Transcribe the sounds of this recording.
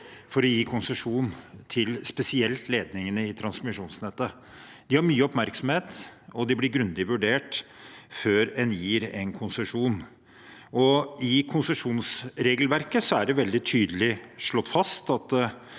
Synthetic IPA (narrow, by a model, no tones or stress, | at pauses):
fɔɾɔjiːkʰʊnsəʂuːnt̪ʰɪlspɛsɪɛlt̪leːd̪nɪŋənəɪt̪ʰɾɑnsmɪʂuːnsnɛt̪ːə | d̪̥ɪhɑɾmyːəɔpmæɾksɔm̩heːt̪ɔd̪ɪblɪɾɡɾʉnd̪ɪʋʉɖeːʈføːɾɛnjiːɾɛnkʰʊnsəʂuːn | ɔɪkʰʊnsəʂuːnsɾeːɡəlʋæɾkəsɔæɖɛʋɛld̪ɪt̪ʰyːd̪əlɪʂɭɔt̪ːfɑst̪ɑt̪